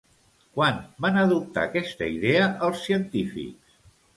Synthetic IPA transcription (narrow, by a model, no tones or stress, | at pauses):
kwanbanəðup̚t̪a̰kɛst̪əiðeəʔəlˠsːiənt̪ifḭks